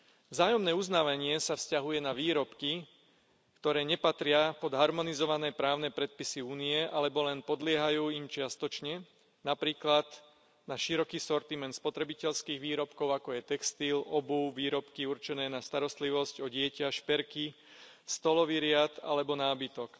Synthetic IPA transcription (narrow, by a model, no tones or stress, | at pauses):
vzaːjɔmnɛːuznaːʋaɲɪɛsafscaɦujɛnaʋiːɾɔpki | kt̪ɔɾɛːɲɛpat̪ɾɪapɔd̪ɦaɾmɔnizɔʋanɛːpɾaːʊnɛːpɾɛt̪̚pisiuːniɛʔalɛbɔlɛnpɔd̪lɪɛɦajuːimt͡ʃɪast̪ɔt͡ʃɲɛ | napɾiːklad̪ | naʃiɾɔkiːsɔɾt̪imɛnt̪spɔt̪ɾɛbicɛʎskiːɣʋiːɾɔpkɔʊakɔjɛt̪ɛkst̪iːlɔbuʋiːɾɔpkiuɾt͡ʃɛnɛːnast̪aɾɔst̪liʋɔscɔɟɪɛcaʃpɛɾki | st̪ɔlɔʋiɾɪat̪a̰lɛbɔnaːbit̪ɔk